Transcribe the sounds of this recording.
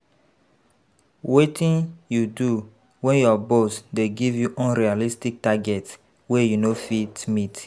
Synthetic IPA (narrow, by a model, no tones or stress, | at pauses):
wetʰĩnjudu | wɛ̃njɔbosdeɡivjuʔɔ̃nɾialistik̚taɡɛt | wejunofitmit